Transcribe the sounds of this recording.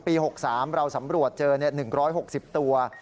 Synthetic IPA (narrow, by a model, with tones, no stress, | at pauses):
piː˧ɦo˨˩k̚saː˩˦mɾa˧wsa˩˦mɾu˨˩ət̪̚t͡ɕɤː˧ni˥˩ɐnɯ˨˩ŋɾɔː˦˥jɦo˨˩k̚si˨˩p̚t̪u˧ɐ